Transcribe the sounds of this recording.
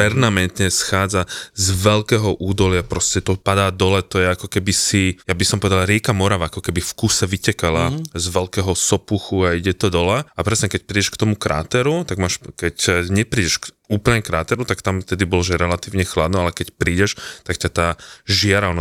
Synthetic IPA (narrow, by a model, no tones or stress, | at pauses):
pɛɾmamɛnt̪ɲɛsxaːd͡zazʋɛlkɛːɦɔʔuːd̪ɔlɪapɾɔscɛt̪ɔpad̪aːd̪ɔlɛt̪ɔjɛakɔkɛbisijabisɔmpɔʋɛd̪alɾɪɛkamɔɾaʋaakɔkɛbifkusɛʋicɛkalazʋɛlkɛːɦɔsɔpuxuaiɟɛt̪ɔd̪ɔlaapɾɛsɲɛkɛc̚pɾiːɟɛʃkt̪ɔmukɾʔa̰ːt̪ɛɾut̪aɡmaːʃkɛcɲɛpɾiːɟɛʃkuːpl̩ɲɛkɾaːt̪ɛɾut̪akt̪amft̪ɛd̪ibɔlɔʒɛɾɛlat̪iːʊɲɛxlad̪nɔalɛkɛcpɾiːɟɛʃt̪akcat̪aːʒɪaɾalnɔ